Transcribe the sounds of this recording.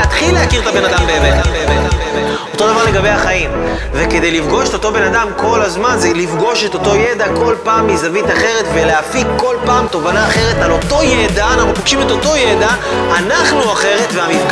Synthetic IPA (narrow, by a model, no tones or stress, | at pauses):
at̪χilːeakiʁt̪abe̞nad̪ambeeveabebeave | o̞t̪o̞d̪avaʁle̞ɡabejaχaim | veke̞d̪e̞jlifɡo̞ʃet̪o̞t̪o̞be̞nadamko̞lazmanzelifɡo̞ʃet̪o̞t̪o̞jed̪ako̞lpaːmlizavit̪aχe̞ʁetveleafikːo̞lpaːmt̪o̞vanaːχe̞ʁe̞talo̞to̞jedanaχnupaɡʃime̞t̪o̞to̞jed̪aː | naχnuaχe̞ʁe̞tveamifk